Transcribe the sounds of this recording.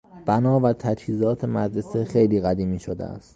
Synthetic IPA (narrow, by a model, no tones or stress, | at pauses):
b̥ænɒːvæt̪ʰæd͡ʒhiːzɒːt̪ʰemæd̪ɾe̞sexejliːɣæd̪iːmiːʃod̪ḛæ̰st̪